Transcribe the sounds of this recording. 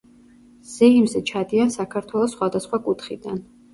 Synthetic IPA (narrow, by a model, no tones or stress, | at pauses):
z̥ɛimzɛt͡ʃʰad̪iansakʰaɾt̪ʰwɛlˠɔsːχwad̪asχwakʼut̪ʰχid̪a̰n